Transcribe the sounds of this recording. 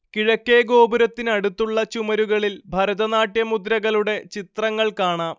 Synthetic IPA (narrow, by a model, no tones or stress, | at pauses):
kiɻɐkːe̞ːɡo̞ːbɐɾɐt̪ːinɐɽut̪ːuɭːɐt͡ɕumɐɾuɣɐɭilbʱɐɾɐðɐnaːʈːjɐmud̪ɾɐɣɐɭuɽe̞t͡ɕit̪rɐŋːɐɭkaːɳaː